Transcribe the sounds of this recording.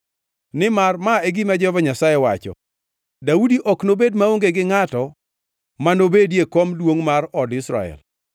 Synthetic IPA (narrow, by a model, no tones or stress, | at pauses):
nɪmarmaeɡimad͡ʒɔvaɲasajewat͡ʃɔ̰ | daudiʔɔknobedmaoŋɡeɡɪŋatɔ | manobedjekomdwoŋmaɾɔdɪsɾa̰ɛ̰l